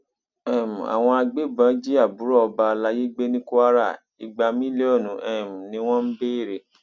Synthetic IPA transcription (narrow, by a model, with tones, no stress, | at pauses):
ɛ˦˨m̩˨a̰˨w̃ɔ̃˧a˧ɡ͡be˦˨bã˨˦d͡ʒi˦a˦˨bu˨˦ɾɔ˦ɔ˧ba˧la˧je˦ɡ͡be˦nĩ˦ku˦a˦ɾa˦˨ | i˨ɡ͡ba˧mĩ˦le˦ɔ˦˨nũ˨ʔɛ˨m˨nĩ˨˦w̃ɔ̃˦m̩˦be˦e˦˨ɾe˨